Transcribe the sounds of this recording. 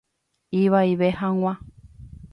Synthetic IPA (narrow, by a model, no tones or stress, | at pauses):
iʋaiʋehãŋ̃ʷã